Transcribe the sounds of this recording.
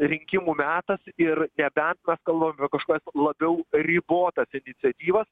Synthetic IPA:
ɾʲɪŋʲkʲɪmuːmʲæːt̪ɐsɪɾnʲɛbʲɛnt̪mʲɛskɐlˠbɐmɐpʲɛkɐʃkoːkɛslˠɐbʲɛʊrʲiːboːt̪ɐsɪnʲɪsʲɛt̪ʲiːʋɐs

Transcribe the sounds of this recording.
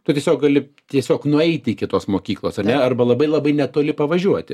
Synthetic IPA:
t̪ʊtʲiɛsʲoːk̚ɡɐlʲɪ | t̪ʲiɛsʲoːknʊɛɪt̪ʲɪkʲɪt̪oːsmoːkʲiːklˠoːsɐrnʲɛɐrbɐlˠɐbɐɪlˠɐbɐɪnʲɛt̪oːlʲɪpɐʋɐʒʲuɔt̪ʲɪ

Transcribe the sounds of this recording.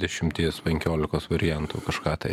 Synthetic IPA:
d̪ʲɛʃʲɪmʲt̪ʲiɛspʲɛŋʲkʲoːlʲɪkoːsʋɐɾʲɪjɛnt̪ṵːkɐʃkɑːt̪ɐɪ

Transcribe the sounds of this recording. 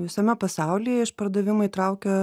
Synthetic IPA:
ʋʲɪsɐmʲɛpɐsɑˑʊlʲiːjɛɪʃpɐɾd̪ɐʋʲɪmɐɪit̪ɾɑʊkʲo

